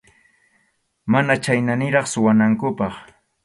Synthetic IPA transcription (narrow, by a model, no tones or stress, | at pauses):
manat͡ʃajnanɪɾɑχsʊwanaŋkʊpɑχ